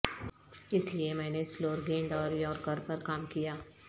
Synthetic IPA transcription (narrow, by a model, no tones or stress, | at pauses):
ɪsliemɛ̃ːnesloːɾɡẽːnd̪ɔːɾjɔːɾkəɾpɐɾkaːmkijaː